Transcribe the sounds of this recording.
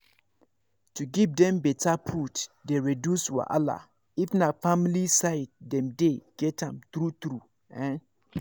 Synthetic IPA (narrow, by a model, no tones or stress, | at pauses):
tuɡivdɛ̃mbɛtʰapʰutdeɹidjuswa̰ʔa̰la̰ | ifnafamilisaɪd̚dɛ̃mdeɡ̥ɛtãmt̪ɹut̪ɾu | ɛ̃n